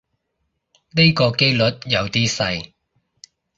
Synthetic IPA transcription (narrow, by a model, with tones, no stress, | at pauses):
ne˥jkɔː˧ke˥jlɵ˨˥t̚jɐ˨˧wt̪iː˥sɐ˧j